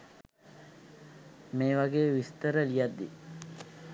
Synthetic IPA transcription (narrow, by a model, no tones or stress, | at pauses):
meːʋaɡeːʋist̪əɾəlijad̪ːḭ